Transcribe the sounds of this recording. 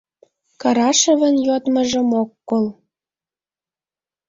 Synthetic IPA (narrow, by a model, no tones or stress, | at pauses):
kɑɾɑʃə̆βə̆njot̪mə̆ʒə̆mokːol